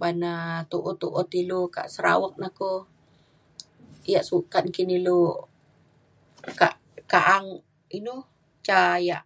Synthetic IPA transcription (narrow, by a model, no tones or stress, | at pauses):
banat̪uʔot̪uʔot̪iluka̰ʔsəɾa̰wək̚nako | jaʔsukankinilu | ka̰ʔ | kaʔaŋ | inu | t͡ʃajaʔ